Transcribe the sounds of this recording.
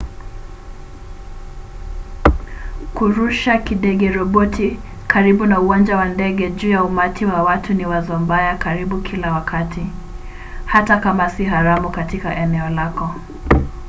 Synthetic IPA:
kuɾuʃakiɗɛɡɛɾɔɓɔti | kaɾiɓunauwand͡ʒawandɛɡɛʄuːjaumatʰiwawatuniwazɔmbajakaɾiɓukʰilawakʰatʰi | hatakamasiɦaɾamukatikaʔɛnɛɔlakɔ

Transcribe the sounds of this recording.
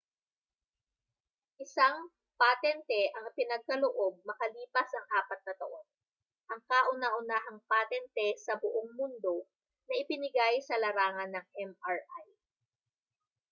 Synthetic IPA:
ʔɪsaŋ | pat̪ɛnt̪ɛʔɐŋpɪnɐɡ̚kɐloʔob̚mɐkɐliːpɐsɐŋʔaːpɐt̪̚nɐt̪ɐʔo̞n | ʔɐŋkaːʔʊnaʔʊnaːɦɐŋpat̪ɛnt̪ɛsɐbʊʔoŋmʊnd̪o̞ | nɐʔɪpɪnɪɡajsɐlɐɾaːŋɐnːɐŋʔɛmaɹʔaj

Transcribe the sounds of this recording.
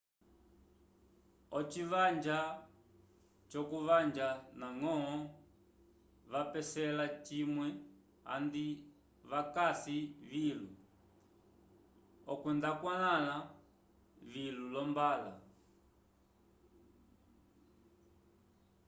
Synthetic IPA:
ɔt͡ʃivaɲd͡ʒa | t͡ʃɔkuvaɲd͡ʒanaŋɔɔ | vapɛsɛlat͡ʃimwɛ | a̰ndi | βakasivilu | ɔkwɛndakwalala | vilulɔmbala

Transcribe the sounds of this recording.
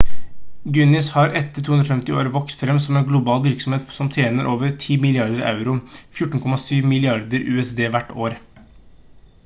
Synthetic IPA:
ɡʉnɪshɑɾɛt̪ːəʈ̪ʰuːnɾɔfɛmt̪ɪo̰ːɾʋɔkst̪fɾɛmsɔmɛnɡlʊbɑːlʋɪɾksɔm̩heːt̪sɔmt̪ʰjeːnəɾʔoːʋəɾʈʰiːmɪlɪɑɾd̪əɾɑ̰ʉɾʊfjʊʈːn̩kʰɔmːɑsyːʋmɪlɪɑɾd̪əɾʉ̰ːɛsd̪eːʋæʈːoːɾ

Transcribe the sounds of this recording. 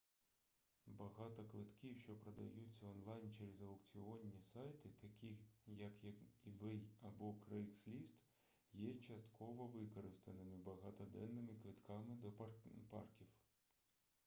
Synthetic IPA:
bɐɦɑt̪ɔkʋɪt̪kʲiwʃt͡ʃɔpɾɐd̪ɐ̰jut͡sʲːɐɔnlˠɑjnt͡ʃeɾezɐʊkt͡sʲiɔnʲːisɑjt̪ɪt̪ɐkʲijɐkjɐibɛjɐbɔkɾɛjkslʲist̪ | jɛt͡ʃɐst̪kʰɔʋɔʋɪkɔɾɪst̪ɐnɪmɪbɐɦɑt̪ɔd̪ɛ̰nːɪmɪkʋɪt̪kɑmɪd̪ɔpɑ̰rkʲiw

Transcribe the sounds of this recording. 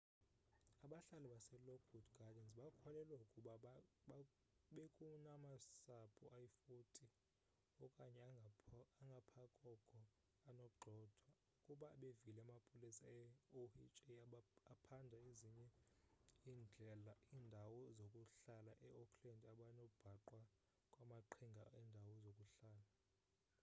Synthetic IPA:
aɓaɬalɛɓasɛlɔkʰudɡ̥ʱadɛnsɓakʰɔlɛlwaukʼuɓa | ɓekʼunamasapʰuʔajifutʼi | ɔkʼaɲɛ | aŋɡʱapʰakʼɔkʰɔ | anɔɡ͡ǃʱɔd̥ʰʱwa | ukʼuɓaːɓeviilɛamapʼolisaɛohit͡ʃʼeaapʰandʱaeziɲɛ | iːnd͡ɮʱɛlaiːndʱawɔzokʼuɬalaʔɛɔkʰlɛndʱaɓanob̥ʱaǃwa | kʼwamaǃʰiŋɡʱaɛːndʱawɔzokʼuɬaːla

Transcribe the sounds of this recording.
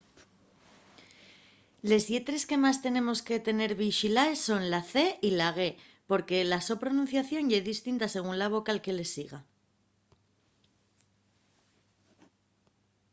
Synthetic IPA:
le̞zje̞t̪ɾe̞ske̞mast̪e̞nẽ̞mo̞ske̞t̪e̞ne̞ɾβiʃilaesːo̞nlaθe̞ilaɣ̞e̞ | po̞ɾke̞laso̞pɾo̞nũnθjaθjo̞njeðist̪int̪ase̞ɣ̞unlaβo̞kaːlke̞le̞siɣ̞a

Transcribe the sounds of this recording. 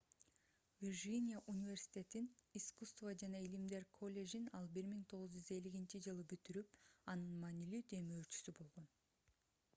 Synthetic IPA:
vʲirʒinʲijaʔunʲivʲe̞ɾsʲi̥t̪ʲe̞t̪iniskust̪vad͡ʒɑnɑilimd̪e̞ɾkʰo̞lʲːe̞ʒinɑlˠbɪɾmiŋt̪ʰo̞ʁʊzd͡ʒyze̞lːiɡʲint͡ʃid͡ʒɯlˠɯbyt̪yɾyp̚ɑnɯnmɑːnilyd̪e̞myøt͡ʃy̥sybo̞lˠʁo̞n

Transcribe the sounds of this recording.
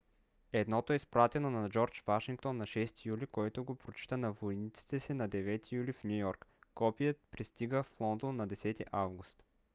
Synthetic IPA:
ɛd̪nɔt̪oɛispɾat̪ɛnonɐd͡ʒɔɾt͡ʃvaʃiŋk̚t̪onːɐʃɛst̪ijulikoɛt̪oɡopɾot͡ʃi̥t̪ənɐvojnit̪si̥t̪ɛsɛnɐd̪ɛvɛt̪ijulifnʲujɔɾkkːɔpijət̪pɾist̪iɡəflˠɔnd̪onːɐd̪ɛsɛt̪iʔavɡust̪

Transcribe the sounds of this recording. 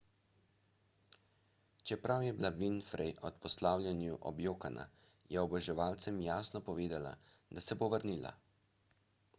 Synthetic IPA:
t͡ʃɛpɾawjɛblaʋinfɾɛjʔɔt̪pɔslaːwlʲjʲanjuʔɔ̰bjoːkana̰ | jɛɔbɛʒɛʋaːlt̪sɛmjaːsnɔpɔʋeːd̪ala̰d̪asɛboʋəɾniːla̰

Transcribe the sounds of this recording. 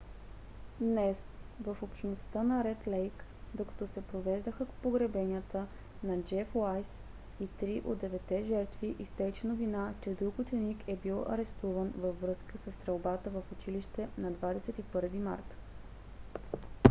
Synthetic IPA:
d̪nɛsvəfopʃnost̪ənɐɾɛt̪lɛjkd̪okɐ̥t̪ɔsɛpɾovɛʒd̪əxəkpoɡɾɛbɛnʲiət̪ə | nɐd͡ʒɛflˠajs | it̪ɾiʔod̪d̪ɛvɛt̪ːɛʒɛɾt̪viʔist̪ɛjt͡ʃɛnovinat͡ʃɛd̪ɾuɡʊt̪ɛnikʰɛbilˠɐ̰ɾɛst̪uvənvəfːɾɤskəsəst̪ɾɛlˠbat̪əvəfot͡ʃiliʃt̪ɛnɐd̪vad̪ɛsɛt̪ipɤɾvima̰ɾk̪

